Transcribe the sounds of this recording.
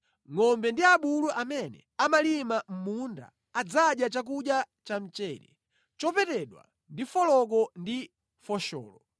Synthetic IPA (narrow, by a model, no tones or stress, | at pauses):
ŋɔmbɛndiaɓuluʔamɛnɛ̰ | amalimam̩munda̰ːd͡zaɗjat͡ʃak̬uɗja | t͡ʃam̩t͡ʃɛːɾɛ̰ | t͡ʃɔpɛtɛɗwa̰ | ndifɔlɔk̬ɔndi | fɔʃɔ̰ːlɔ